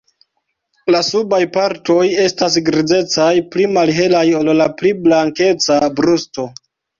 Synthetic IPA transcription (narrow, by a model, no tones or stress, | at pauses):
lasubajpaɾto̞je̞stas̬ɡɾid͡ze̞t͡sajplimalɦe̞lajo̞llapliblaŋke̞t͡sabɾusto̞